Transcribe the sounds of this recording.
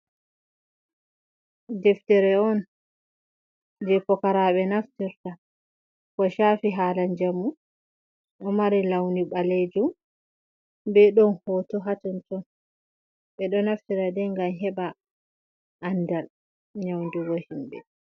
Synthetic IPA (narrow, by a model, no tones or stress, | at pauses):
dɛftɛɾɛɔn | d͡ʒɛpɔkaɾaɓɛnaftiɾta | kɔʃafiɦaːlaɲd͡ʒamu | ʔɔmaɾilawniɓaled͡ʒum | bɛɗɔnhɔːtɔɦatɔntɔn | ɓɛɗɔnaftiɾadɛŋɡamɦɛɓa | ʔːndal | ɲawndiwohimbɛ̰